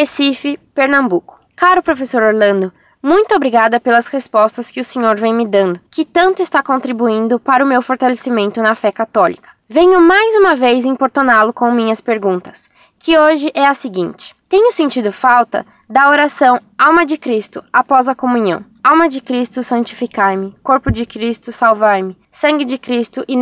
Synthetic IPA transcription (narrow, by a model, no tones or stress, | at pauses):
esifɪpeɾnɐ̃mbukʊ̥kaɾʊpɾofesoɾoɾlɐ̃nd̪ʊ | mũj̃t̪ʊobɾiɡad̪ɐpelɐshespɔst̪ɐskɪʊsẽɲoɾvẽj̃mɪd̪ɐ̃nd̪ʊkɪt̪ɐ̃nt̪ʊɪst̪akõnt̪ɾibuĩnd̪ʊpaɾɐʊmewfoɾt̪alesimẽnt̪ʊnɐfɛkat̪ɔlikɐ̥vẽɲʊmajzũmɐvejzẽj̃poɾt̪onalʊkõmĩɲɐspeɾɡũnt̪ɐ̥s | kɪoʒɪʔɛɐsɪɡĩnt͡ʃɪ̥t̪ẽɲʊsẽnt͡ʃid̪ʊfawt̪ɐ̰ | d̪ɐoɾasɐ̃w̃awmɐd͡ʒɪkɾist̪ʊapɔzɐkomuɲɐ̰̃w̃ | awmɐd͡ʒɪkɾist̪ʊsɐ̃t͡ʃi̥fikaɾmɪkoɾpʊd͡ʒɪkɾist̪ʊsawvaɾmɪ | sɐ̃ŋɡɪd͡ʒɪkɾist̪ʊʔɪ